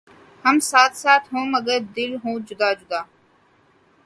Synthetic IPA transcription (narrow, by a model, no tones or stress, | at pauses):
həmsaːt̪ʰsaːt̪ʰɦũːməɡəɾd̪ɪlɦũːd͡ʒʊd̪aːd͡ʒʊd̪aː